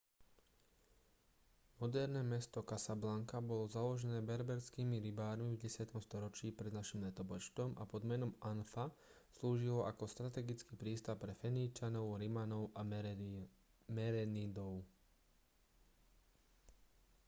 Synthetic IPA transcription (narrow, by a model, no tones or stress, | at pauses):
mɔd̪ɛɾnɛːmɛst̪ɔkasablaŋkabɔlɔzalɔʒɛnɛːbɛɾbɛɾskiːmiɾibaːɾmivɟɛsɪat̪ɔmst̪ɔɾɔt͡ʃiːpɾɛd̪naʃimlɛt̪ɔbɔt͡ʃt̪ɔma̰pɔd̪mɛnɔmʔanfasluːʒilɔʔakɔst̪ɾat̪ɛɡit͡skiːpɾiːst̪apːɾɛfɛniːt͡ʃanɔʊɾimanɔʊʔa | mɛɾɛnid̪ɔʊ